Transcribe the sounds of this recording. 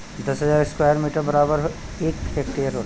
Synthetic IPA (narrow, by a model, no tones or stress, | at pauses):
d̪ɐsɦɐzaːɾɪskwaːjəɾmiːʈəɾbɐɾaːbəɾɦ | eːkheːk̚ʈeːɾɦoːt̪